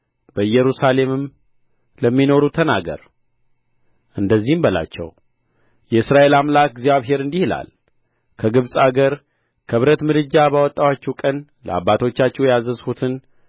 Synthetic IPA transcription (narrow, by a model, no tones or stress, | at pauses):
bəɨjɛɾusale̞mɨm | ləmːino̞ɾut̪ʰənaɡə̰ɾ | ʔɨnd̪əzːihɨmbəla̰t͡ʃːɛ̰w | jɛɨsɾaʔe̞lamlak̚ɡzjaβɦe̞ɾɨnd̪ihɨla̰l | kʰəɡɨβsʼaɡəɾ | kʰəβɾət̪mɨlɨd͡ʒːabawɔt̪ʼːawat͡ʃːɛwkʼən | lə̰a̰bːat̪ʰo̞t͡ʃːat͡ʃːɛwjazəzhut̪ʰɨn